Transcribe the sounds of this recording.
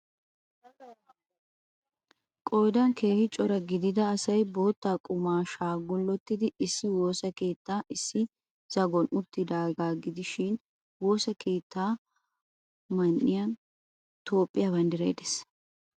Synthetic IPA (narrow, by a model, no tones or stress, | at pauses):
kʼoːd̪ɐnkʰe̞ːhɪt͡ʃʼɔɾɐɡɪd̪ɪd̪ɐːsɐjboːt̪ːaːkʼʊmaːʃaːɡʊlːɔt̪ːɪd̪ɪɪsːɪwo̞ːsɐke̞ːt̪ːaːʔɪsːɪ | z̥ɐɡɔnʔʊbt̪ːɪd̪aːɡaːɡɪd̪ɪʃɪn | wo̞ːsɐkʰe̞ːt̪ʰːaː | mɐnːɪjɐn | t̪o̞ːpʼːɪjaːbɐnd̪ɪɾḛjd̪ɛs